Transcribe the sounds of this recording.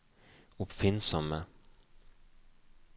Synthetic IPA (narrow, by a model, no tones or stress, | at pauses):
ʊpfɪnsɔmə